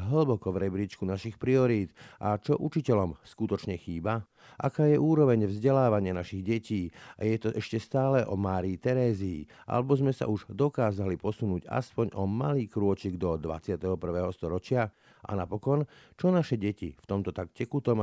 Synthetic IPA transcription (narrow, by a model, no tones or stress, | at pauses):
ɦl̩bɔkɔʋɾɛbɾit͡ʃkunaʃixpɾiɔɾiːd̪ʔa̰t͡ʃɔʔut͡ʃicɛlɔmskut̪ɔt͡ʃɲɛxiːba | ʔakaːjɛʔuːɾɔʋɛɲvzɟɛlaːʋaɲɪanaʃiɣɟɛciːajɛt̪ɔʔɛʃcɛst̪aːlɛʔɔ̰maːɾiːt̪ɛɾɛːzḭː | ʔa̰lɛbɔzmɛsa̰uʒd̪ɔkaːzalipɔsunuːɟa̰spɔɲɔmaliːkɾʊɔt͡ʃiɡd̪ɔd̪ʋa̰t͡sɪat̪ɛɦɔpr̩ʋɛːɦɔst̪ɔɾɔt͡ʃɪa | ʔa̰napɔkɔnt͡ʃɔnaʃɛɟɛcift̪ɔmt̪ɔt̪akcɛkut̪ɔm